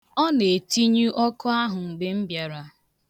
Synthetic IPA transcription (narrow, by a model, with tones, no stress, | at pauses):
ɔ˦ne˨ti˦ɲu˦ʔɔ˦kʊ˦a˦ɦʊ˨ŋ͡m̩˨ɡ͡be˦m̩˦bja˨ɾa˨